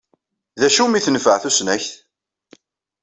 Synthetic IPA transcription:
ðæʃumiθənəfəʕθusnæçθ

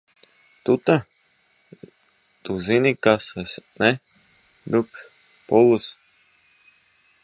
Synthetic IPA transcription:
t̪ut̪a | t̪uzinikasɛsnɛ | d̪uk | pulus

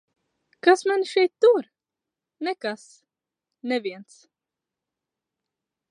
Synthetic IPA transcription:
kasmɛnʃɛjt̪̚ːuɾ | nɛkas | nɛviɛnt̪s

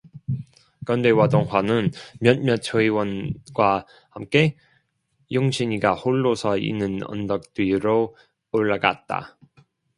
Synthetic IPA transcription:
kʌndewadoŋɦwanɯnmjʌnmjʌt͡ɕʰoiwʌnɡ̥wa | hamk͈e̞ | joŋɕʰiɲiɡahoɭːosʰʌḭnːɯnʌ̰ndʌk̚t͈wiɾoː | ɭːaɡa̰t̚t͈a̰

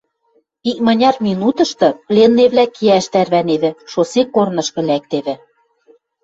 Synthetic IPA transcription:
ik̚mɑ̆nʲɑrminut̪ɤ̆ʃt̪ɤ̆plʲenːeβlækiæʃt̪ærβæneβɘ̆ʃosekːornɤ̆ʃkɤ̆læk̚t̪eβɘ̆

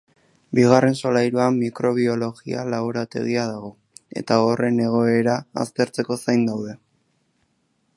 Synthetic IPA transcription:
biɣ̞are̞nso̞lajɾuamːikɾo̞β̞io̞lo̞ɣialaβoɾat̪e̞̰ɣ̞iaðaɣ̞o̞ | e̞̰t̪ao̞re̞ne̞ɣ̞o̞e̞ɾa̰ːst̪e̞ɾt͡se̞ko̞sajnd̪awðe̞

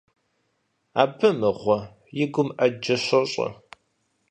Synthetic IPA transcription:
a̰ːbɨmɨʁʷɔ | jɪɡʷʊmʔɐd͡ʒɐɕɐɕʼɐ̰

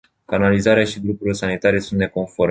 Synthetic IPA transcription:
kanalizaɾeaʃid̪ɾupuɾilesanit̪aɾe̞sunt̪ne̞ko̞nfo̞ɾ

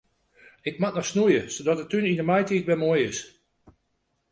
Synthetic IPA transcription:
ɪk̚matnɔxsnujəsodɔtətːynindəmajtitʋɛmoəjɪs

